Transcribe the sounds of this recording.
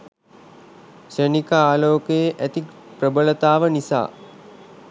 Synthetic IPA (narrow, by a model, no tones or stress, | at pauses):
sənikəaːloːkejeʔæt̪ikprəbələt̪aːʋənisa̰ː